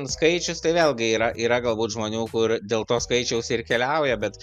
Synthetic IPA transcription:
nskɐɪt͡ʃʲʊst̪ɐɪʋʲeːlʲˠɡʲɪiːɾɐʔiːɾɐɡɐlˠbuːt̪ʒmoːnʲuːkʊɾd̪ʲeːlˠt̪oːskɐɪt͡ʃʲɛʊsɪrkʲɛlʲɛʊjɛbʲɛt̪

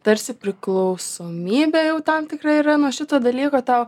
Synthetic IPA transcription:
t̪ɐɾʲsʲɪpʲɾʲɪklˠɐʊsoːmʲiːbʲɛjɛʊt̪ɐmt̪ʲɪkrɐɪiɾɐnuɔʃʲɪt̪oːd̪ɐlʲiːkoːt̪ɐʊ

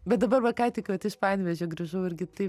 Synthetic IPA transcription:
bʲɛt̪̚d̪ɐbɐɾʋɐkɐɪt̪ʲɪkʋɐt̪ɪʃpɐɪnʲʋʲɛʒʲɛɡɾɐʒɐʊɪɾʲɡʲɪt̪ɐɪ

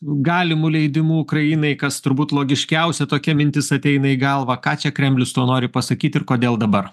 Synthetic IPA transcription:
ɡɑːlʲɪmuːlʲɛɪd̪ʲɪmuːʊkɾɐjɪnɐɪkɐst̪ʊɾbuːt̪lˠoːɡʲɪʃʲkʲɛʊsʲɛt̪oːkʲɛmʲɪnʲt̪ʲɪsɐt̪ʲɛɪnɐiɡɐlˠʋɐkɑːt͡ʃʲɛkɾʲɛmʲlʲɪst̪oːnoːɾʲɪpɐsɐkʲiːt̪ɪɾkoːd̪ʲeːlˠd̪ɐbɐɾ

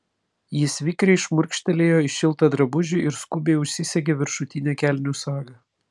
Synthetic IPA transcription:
jɪsʲʋʲiːkɾʲɛɪʃmʊɾʲkʃʲt̪ʲɛlʲeːjoːɪʃʲɪlˠˑt̪ɐd̪ɾɐbʊʒʲɪʔɪɾskʊbʲeːɪʊʃʲsʲɪsʲɛɡʲeːʋʲɪɾʃʊt̪ʲɪnʲæːkʲælʲnʲʊsɑːɡɐ

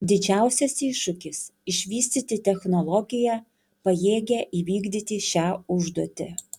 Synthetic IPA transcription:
d̪ʲɪd͡ʒʲæˑʊsʲɛsiːʃʊkʲɪsɪʃʲʋʲiːsʲt̪ʲiːt̪ʲɪt̪ʲɛxnɔlˠɔɡʲɪjæ | pɐjeːɡʲɛʔiːʋʲiːɡd̪ʲiːt̪ʲɪʃʲæːʊʒd̪uɔt̪ʲɪ

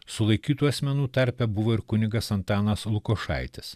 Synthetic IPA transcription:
sʊlˠɐɪkʲiːt̪uːɐsʲmʲɛnuːt̪ɐɾʲpʲɛbʊʋoːɪɾkʊnʲɪɡɐsɐnt̪ɑːnɐslˠʊkoːʃɑ̰ˑɪt̪ʲɪs

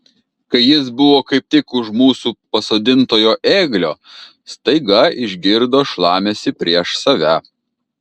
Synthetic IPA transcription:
kɐɪjɪsbʊʋoːkɐɪp̚t̪ʲɪkʊʃmuːsuːpɐsoːd̪ʲɪnt̪oːjoːʔeːɡlʲoː | st̪ɐɪɡɐɪʒʲɡʲɪɾd̪oːʃlˠɑːmʲesʲɪpʲɾʲiɛʃsɐʋʲæ

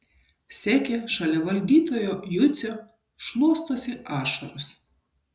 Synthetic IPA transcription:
sʲæːkʲeʃɐlʲɛʋɐlʲd̪ʲiːt̪oːjojʊt̪sʲo | ʃlˠuɔst̪oːsʲɪʔɑːʃɐɾʊs

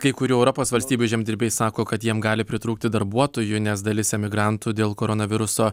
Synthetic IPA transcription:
kɐɪkʊɾʲuːɛʊɾɔpoːsʋɐlʲsʲt̪ʲiːbʲuʒʲɛmʲdʲɪɾʲbʲeɪjsɑːkoːkɐt̪jiɛmɡɑːlʲɪpʲɾʲɪt̪ɾuːkt̪ʲɪd̪ɐɾbuɔt̪oːjʊnʲɛsd̪ɐlʲɪsʲɛmʲɪɡɾɐnt̪uːd̪ʲeːlˠkoːɾonɐʋʲɪɾʊsoː

